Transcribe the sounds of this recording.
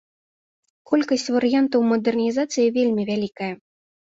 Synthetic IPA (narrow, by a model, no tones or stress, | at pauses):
kɔlʲkɐsʲt͡sʲvɐɾɨjant̪ɐwmɐd̪ɛrnʲizat̪sɨjivʲelʲmʲivʲalʲikɐjɐ